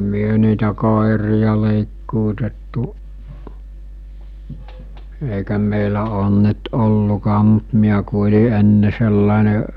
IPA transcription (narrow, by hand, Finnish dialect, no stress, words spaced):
myø niːtæ koˑerijɑ leˑiˑkːuːtetːuʔ eˑikæ meˑilæ oːn nyt olːukɑːm̆ mu̥t miæ ku olʲi enːe selːɑˑene